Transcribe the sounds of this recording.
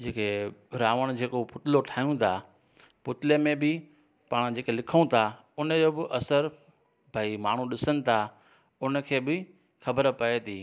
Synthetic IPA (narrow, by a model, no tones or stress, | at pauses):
d͡ʑeːkeɾaːʋəɽ̃d͡ʑeːkopʊt̪ɪloʈʰaːjũt̪ʰa | pʊt̪ɪlemẽbɪ | paːɽ̃d͡ʑeːkelɪkʰəũt̪ʰa | ʊnəd͡ʑoːbɪʔɐsəɾ | bʱaːimaːɳ̤ũɗɪsənɪ̆t̪ʰa | ʊnə̆kʰeːbɪ | xɐbəɾpɐet̪ʰiː